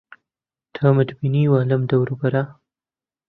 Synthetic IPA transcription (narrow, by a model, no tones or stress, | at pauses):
t̪ʰamat̪biniwaləmd̪awɾubaɾa